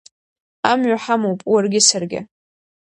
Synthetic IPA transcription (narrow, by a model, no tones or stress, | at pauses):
amɥaħamowpʼwarɡʲɪsarɡʲɪ̰